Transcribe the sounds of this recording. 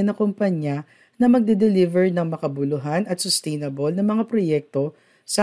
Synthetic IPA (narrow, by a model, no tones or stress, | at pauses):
nɐkompɐɲa | nɐmɐɡ̚d̪ɛd̪ɛlivɛɹnɐŋmɐkɐbʊlʊɦanɐt̪sʊst̪ɛjnɐbolnɐŋmɐŋapɾojɛk̚t̪o̞ | sɐ